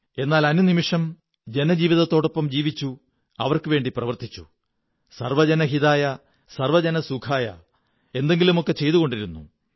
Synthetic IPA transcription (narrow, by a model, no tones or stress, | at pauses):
e̞nːaːlɐnunimiʂɐm | d͡ʑe̞nɐd͡ʑiːʋiðɐt̪ːo̞ːɽo̞pːɐmd͡ʑiːʋit͡ɕːu | ɐ̰ʋɐrkɨʋe̞ːɳɖiprɐʋɐrt̪it͡ɕːṵ | sɐrʋɐd͡ʑɐnɐɦiðaːjɐ | sɐrʋɐd͡ʑɐnɐsukʰaːjɐ̰ | e̞nd̪e̞ŋɡilumo̞kːe̞t͡ɕe̞jt̪uɣo̞ɳɖiɾunːṵ